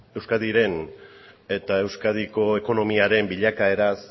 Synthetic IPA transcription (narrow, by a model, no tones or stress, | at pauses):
e̞wskaðiɾe̞n | e̞t̪ae̞wskað̞iko̞e̞ko̞no̞miaɾe̞mbiʎakae̞ɾas